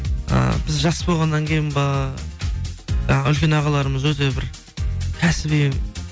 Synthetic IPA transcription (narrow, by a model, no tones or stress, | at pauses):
ə̰bɪzʒɑsːəbo̞lˠʁɑnːɑŋkʲʰe̞jɪnbɑ | ʒɑɴɑʏlkʲe̞nɑʁɑlˠɑɾəməzwɵt̪e̞bɪɾ | kʲʰæsɪbijm